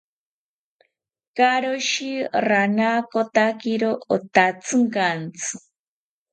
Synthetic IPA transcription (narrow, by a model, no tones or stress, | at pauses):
kaɾoʃiɾanaːkot̪akiɾoot̪at͡sʰɨŋkant͡sʰɨ̥